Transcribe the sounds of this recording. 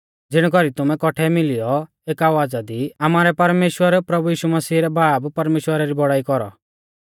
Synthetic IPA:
d͡zɪɽ̃kɔɾit̪ʊmɛ̃kɔʈʰɛmɪlɪjɔ | eːkaʋaːd͡zad̪iamaːɾɛpɐɾmeːʃwəɾpɾɐbujiːʃumɐsiːɾɛbʱaːbpɐɾmeːʃwəɾaɾibɔɽaːikɔɾɔ̰

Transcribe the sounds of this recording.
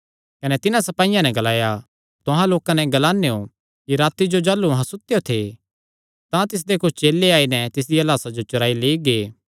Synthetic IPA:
kɐnɛt̪ɪnãsɐpaːɪjãnɛɡɐlaːja | t̪ʊɦãloːkãnɛɡɐlaːnejo | kiɾaːt̪id͡ʒod͡ʒaːlːuɐɦãsʊt̪ejot̪ʰe | t̪ãt̪ɪs̬d̪ekʊt͡ʃʰt͡ʃeːleaːinɛt̪ɪs̬d̪iɐlaːsad͡ʒot͡ʃʊɾaːileːiɡeː

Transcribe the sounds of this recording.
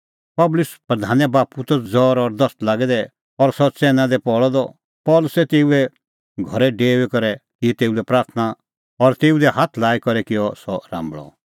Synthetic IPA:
pɐblʊspɾɐd̪ʱaːnɛbaːput̪ɔd͡zɔːɾɔɾd̪ɐst̪laːɡɛd̪ɛ | ɔɾsɔt͡sɛːnãd̪ɛpɔɭɔd̪ɔ | pɔːlʊsɛt̪eːuɛ | ɡʱɔɾɛɖeːʋɛkɔɾɛkɪɛt̪eːud̪ɛpɾaːɾt̪ʰna | ɔɾt̪eːud̪ɛɦaːt̪ʰlaːikɔɾɛkɪjɔsɔɾã̰ːmbɭɔ̰

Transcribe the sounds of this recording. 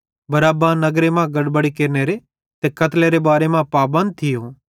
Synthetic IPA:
bɐɾaːbãnɐɡɾemãɡɐɽbəɽikeːɾneːɾe | t̪eːkɐt̪leːɾebaːɾemãpaːbə̃nd̪̚t̪ʰɪjoː

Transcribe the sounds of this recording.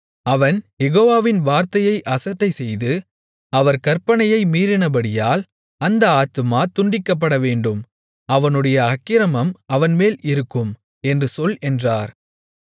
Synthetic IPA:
ɐʋɐnjɛɣoːʋaːʋɪnʋaːɾt̪ɐjɐɪʔɐsɐʈːɐɪsɛjðɯ | ɐʋɐɾkɐɾpɐɳɐjɐɪmiːɾɪnɐbɐɽɪjaːl | ɐnd̪ɐaːt̪ɯmaːt̪ʊɳɖɪkːɐp̬ːɐɽɐʋeːɳɖɯm | ɐʋɐnɯɽɐjɐːkːɪɾɐmɐmɐʋɐnmeːlɪɾɯkːɯm | ɛndrɯsɔlɛndraːɾ

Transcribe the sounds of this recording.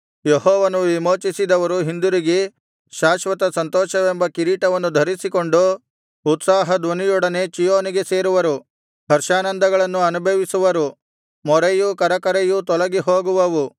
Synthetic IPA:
jehɔːʋɐnuʋimoːt͡ʃisid̪ɐʋɐɾuɦind̪uɾiɡe | ʃaːʃʋɐt̪ɐsɐnt̪ɔːʃɐʋembɐkiɾiːʈɐʋɐnːud̪ʱɐɾisiko̞ɳɖuː | t̪saːɦɐd̪ʋɐnijɔɽɐne̞t͡ʃijoːniɡe̞se̞ːɾuʋɐɾu | ɦɐɾʃaːnɐnd̪ʱɐɡɐɭɐnːuɐnubʱɐʋisuʋɐɾu | mɔɾɐjukɐɾɐkɐɾejut̪ɔlɐɡiɦoːɡuʋɐʋu

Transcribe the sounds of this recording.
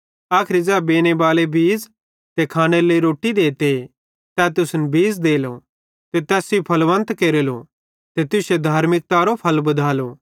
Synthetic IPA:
aːkʰɪɾid͡ʒɛːbeːñebaːlebʱiːz | t̪ekʰaːɽ̃eləiɾoːʈid̪eːt̪e | t̪ɛːt̪ʊsnbʱiːzd̪eːlo | t̪et̪ɛːsipʰɐlʋɐ̃nt̪keːɾelo | t̪et̪ʊsed̪ʱaːɾmɪk̚t̪aɾopʰɐlbɐd̪ʱaːloː

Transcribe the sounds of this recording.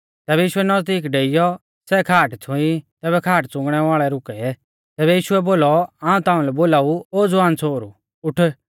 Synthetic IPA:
t̪ɛːbɛjiːʃʊɛnɐzd̪iːkɖeːɪjɔ | sɛkʰaːʈt͡sʰʊ̃it̪ɛːβɛkʰaːʈt͡sʊ̃ŋɡɽ̃ɛʋaːɭɛɾʊkɛ | t̪ɛːβɛjiːʃʊɛboːlɔaːũt̪aːũlɛboːlaːuoːd͡zʊaːnt͡sʰoːɾṵ | ʊʈʰ

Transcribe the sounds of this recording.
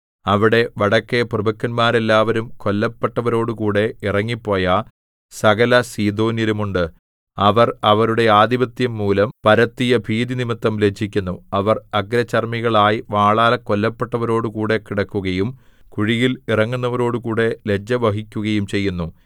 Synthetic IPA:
ɐʋiɽe̞ʋɐɽɐkːe̞prɨbɐkːɐnmaːɾelːaːʋɐɾumko̞lːɐpːeʈːɐʋɐɾo̞ːɽukuːɽe̞irɐŋːipːo̞ːjɐ | sɐɣɐlɐsiːd̪o̞ːnjɐlumuɳɖɨ | ɐʋɐrɐʋɐɾuɽe̞aːd̪ibɐt̪jɐmːuːlɐmpɐɾɐt̪ːijɐbʱiːd̪inimit̪ːɐmle̞d͡ʑʱikʲːunːuɐʋɐrɐɡɾɐt͡ɕːɐrmiɣɐɭaːjiʋaːɭaːlɐkolːɐpːeʈːɐʋɐɾo̞ːɽukuːɽe̞kiɽɐkːuɣɐjum | kuɻijilirɐŋːunːɐʋɐɾo̞ːɽukuːɽe̞le̞d͡ʑɐʋɐɦikʲːuɣɐjumt͡ɕe̞jːunːu

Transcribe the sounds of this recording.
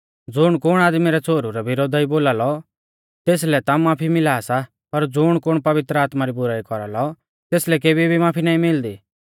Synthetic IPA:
d͡zʊɽ̃kʊɽ̃aːd̪miɾɛt͡sʰoːɾuɾɛbɪɾoːd̪ʱaiboːlaːlɔ | t̪eːs̬lɛt̪amaːpʰimɪlaːsa | pɐɾd͡zʊɽ̃kʊɽ̃pɐʋɪt̪ɾəaːt̪maɾibʊɾaːikɔɾalɔ | t̪eːslɛk̬eːbʱibʱimaːpʰinaːĩmɪld̪iː

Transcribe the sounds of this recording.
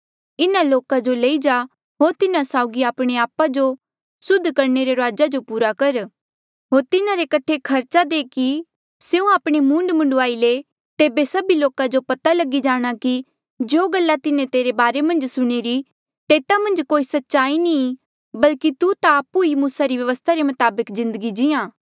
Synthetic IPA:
ɪnãloːkad͡ʒoleid͡ʒa | ɦoːɾt̪ɪnãsaːʊɡiaːpɽ̃eaːpad͡ʒo | sʊd̪ʱːkɐɾneɾeɾoaːd͡ʒad͡ʒopuːɾakɐɾ | ɦoːɾt̪ɪnaɾekɐʈʰekʰɐɾt͡ʃad̪eːki | seːũaːpɽ̃emũːɳɖmʊ̃ɳɖʊaːile | t̪eːbesɐbiloːkad͡ʒopɐt̪alɐɡid͡ʒaːɽ̃aki | d͡ʒoːɡɐlːat̪ɪnẽt̪eːɾebaːɾemɐ̃nd͡ʒsʊɽ̃eːɾi | t̪eːt̪amɐ̃nd͡ʒkoːisɐtːʃaːinĩ | bɐlkit̪ut̪aːpuɦimuːsaɾiʋjɐʋəst̪ʰaɾemɐt̪aːbəkzɪ̃nd̪əɡid͡ʒɪãː

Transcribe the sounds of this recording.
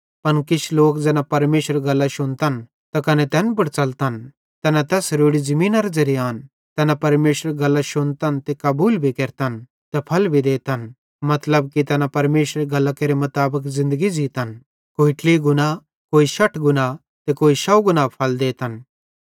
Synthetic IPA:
pɐnkɪt͡ʃʰloːkd͡zɛːnapɐɾmeːʃəɾɡɐlːaʃʊnt̪ɐn | t̪ɐkɐnɛt̪ɛːnp̬ɐɽt͡sɐlt̪ɐn | t̪ɛːnãt̪ɛːsɾoːɽizɐmĩːnaɾad͡zɐɾijaːn | t̪ɛːnapɐɾmeːʃəɾɡɐlːaʃʊnt̪ɐnt̪ekɐbuːlbʱikɛːɾt̪ən | t̪ɛpʰɐlbʱid̪eːt̪ən | mɐt̪ləbkit̪ɛːnapɐɾmeːʃəɾɡɐlːakeɾemʊt̪aːbəkzɪ̃nd̪əɡid͡ʒiːt̪ɐn | koːiʈʰliɡʊna | koːiʃɐʈʰɡʊna | t̪ɛkoːiʃɐwɡʊnapʰɐld̪eːt̪ən

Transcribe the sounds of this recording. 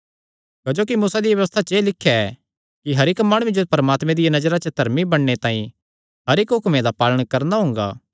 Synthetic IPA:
kɐd͡ʒoːk̬imuːsad̪ijʋɐʋəst̪ʰat͡ʃeːlɪkʰːjaɛ | kiɦɐɾɪkmaːɽ̃ʊed͡ʒopɐɾəmaːt̪mẽd̪ɪjanɐd͡ʒəɾat͡ʃəd̪ʱɐɾmibɐɽːet̪ãːĩ | ɦɐɾɪkɦʊkmẽd̪apaːləɽ̃kɐɾnaɦʊ̃ːŋɡa̰ː

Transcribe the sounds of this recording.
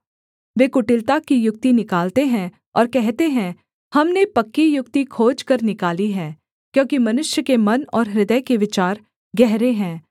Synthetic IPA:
ʋeːkʊʈɪlt̪akijʊk̚t̪inɪkaːlt̪eɦɛ̃ | ɔ̰ːɾkɛɦt̪eɦɛ̃ | hɐmnepɐkːijʊk̚t̪ikʰoːd͡ʒkɐɾnɪkaːliɦɛː | kjõːkimɐnʊʃjəkemɐnɔːɾɦɾɪd̪əjkeʋɪt͡ʃaːɾ | ɡɛɦɾeɦɛ̃ː

